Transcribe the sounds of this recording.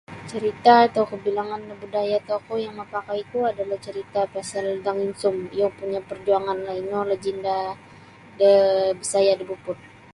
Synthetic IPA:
t͡ʃəɾit̪aːt̪awkəbilaŋandəbudajat̪okojaŋməpakajk̪uadalaht͡ʃəɾit̪apasaldaŋinsʊmijapuɲapərd͡ʒuaŋanlainolad͡ʒinda | dəbəsajadəbupʊt̪̚

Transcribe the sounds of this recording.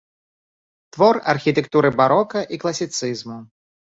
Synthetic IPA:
t̪vɔrɐ̰rxʲit̪ɛkt̪uɾɨbaɾɔkɐʔiklˠɐsʲit̪sɨzmu

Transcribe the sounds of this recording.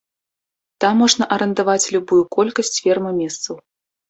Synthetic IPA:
t̪amːɔʐnɐʔɐɾɛnd̪avat͡sʲlʲubujukɔlʲkɐsʲt͡sʲfʲɛrmɨmʲɛst̪sɐw

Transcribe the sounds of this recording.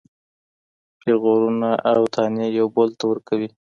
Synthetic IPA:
keɣoɾunaʔawt̪ʰɑnejawbolt̪awəɾkawi

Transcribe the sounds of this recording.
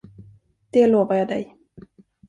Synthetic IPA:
d̪̥ɛloːvaɾjɑːd̪ɛ̰j

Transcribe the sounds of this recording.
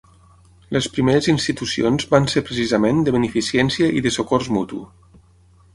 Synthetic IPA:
ləspɾimeɾəzinst̪it̪usionzβansepɾəsizəmend̪əβənəfisjɛnsiəʔiðəsokɔrzmut̪ṵ

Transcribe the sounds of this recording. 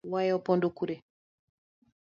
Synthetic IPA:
wajɔpɔndɔkuɾɛ

